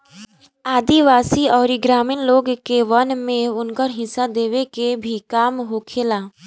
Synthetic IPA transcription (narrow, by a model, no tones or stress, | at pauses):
aːd̪iʋaːsiɔːɾiɡɾaːmɪːnloːɡkeʋənmẽʊnkəɾɦɪsad̪eːʋekebʱikaːmɦokʰeːlaː